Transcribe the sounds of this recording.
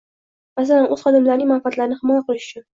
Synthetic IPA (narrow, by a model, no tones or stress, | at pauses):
mas̬alanʔɵz̥χɑd̪ɪmlaɾnɪŋmanfat̪laɾnɪχɪmɒjaqɨlˠɪʃʊ̥t͡ʃʰʊn